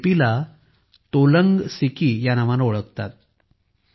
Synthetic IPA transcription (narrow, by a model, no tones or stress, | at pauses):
pila | t̪oləŋɡsikijanaʋanoɭəkt̪a̰t̪̚